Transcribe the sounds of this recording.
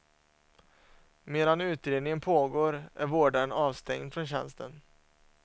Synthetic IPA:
meːd̪anʉ̟ːt̪ɾeːd̪nɪŋənpʰoːɡoːɾʔæ̰ɾvoːɖaɾənɑːvst̪ʰɛ̰ŋd̪fɾɔnɕɛ̰nst̪ʰə̰n

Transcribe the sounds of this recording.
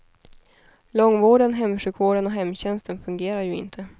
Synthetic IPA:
lɔŋːvoːɖənɦɛmːʂʉ̟ːkvoːɖənɔɦɛmːɕɛnst̪ənfɵŋɡeːɾaɾjɵɪ̰nt̪ʰə

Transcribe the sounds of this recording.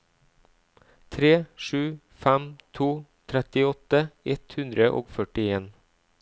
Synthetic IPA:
t̪ʰɾeːʃʉː | fæmt̪ʰuːt̪ʰɾɛt̪ɪɔt̪əɛt̪hʉnd̪ɾəʔo̰ːɡfœʈɪeːn

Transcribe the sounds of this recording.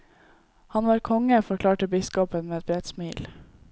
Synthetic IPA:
hɑnʋɑːɾkʰɔŋəfɔkʰlɑːʈəbɪskɔpənmeːɛt̪̚bɾɛd̪smiːl

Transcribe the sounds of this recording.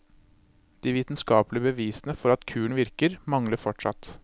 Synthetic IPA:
d̪̥iːʋiːt̪nskɑːplɪəbəʋiːsnəfɔɾɑt̪kʰʉːɳ̩ʋɪɾkəɾmɑŋləfɔʈʂɑ̰t̪

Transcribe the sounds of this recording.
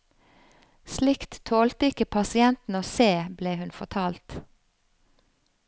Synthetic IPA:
slɪkt̪t̪ʰoːlt̪əɪkəpʰɑsɪɛnt̪n̩oːseːbleːhʉnfɔʁt̪ʰɑːlt̪

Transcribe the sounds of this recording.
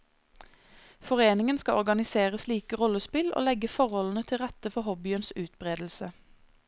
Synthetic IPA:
fɔʁeːnɪŋənskɑʔɔʁɡɑnɪseːʁəsliːkəʁɔləspɪlo̰ːlɛɡəfɔʁhɔlnət̪ʰɪlʁɛt̪əfɔhɔbɪənsʉːt̪bʁeːd̪l̩sə

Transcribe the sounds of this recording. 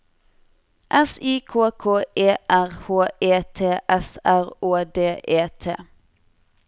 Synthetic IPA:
ʔɛsiːkʰoːkʰoːeːʔæʁhoːeːt̪ʰeːʔɛsæʁoːd̪eːʔeːt̪ʰḛː

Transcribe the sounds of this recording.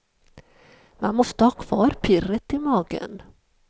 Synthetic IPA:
manmɔst̪əhɑːkʰv̥ɑːɾpʰɪrət̪ɪmɑːɡə̰n

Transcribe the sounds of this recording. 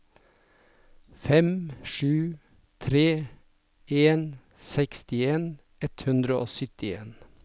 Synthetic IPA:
fɛmʃʉː | t̪ʰɾeː | eːn | sɛkst̪ɪeːn | ɛt̪hʉnd̪ɾəʔo̰ːsʏt̪ɪeːn

